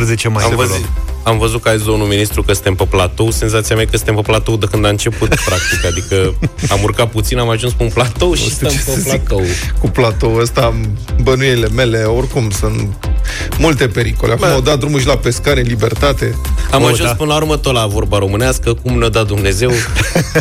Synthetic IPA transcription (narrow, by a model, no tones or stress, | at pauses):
ɾzet͡ʃemajamvəzamvəzut̪kəaesd̪omnulminist̪ɾukəsɨ̥nt̪empəplat̪owse̞nzat̪siamajekəsɨnt̪empəplat̪owd̪ekɨnd̪aɨnt͡ʃe̞put̪pɾak̚t̪ikad̪ikəamurkat̪̚put̪sinamaʒunspunplat̪owʃist̪empeplat̪owkuplat̪owəst̪abənueile̞me̞leorkumsunt̪ | mult̪e̞pe̞ɾikoleakumawd̪at̪̚d̪ɾumuʃilapeskaɾelibert̪at̪eamaʒunspɨnəlauɾrmət̪olavo̞rbaɾo̞mɨneaskəkumnod̪at̪̚d̪umne̞ze̞w